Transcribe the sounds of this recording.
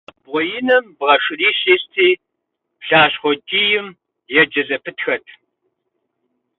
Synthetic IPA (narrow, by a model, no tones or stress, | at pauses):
bʁʷɔjɪnɐmbʁɐʂɪriːɕeːstʰiː | pɬaːɕχʷɔd͡ʒʼiːjɪm | jɛd͡ʒɐzɐpʰɨtxɐtʰ